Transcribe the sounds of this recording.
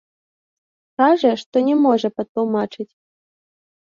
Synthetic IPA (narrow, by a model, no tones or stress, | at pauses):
kaʐɐʂt̪ɔnʲɛmɔʐɐpɐt̪lˠumat͡ʂɨt͡sʲ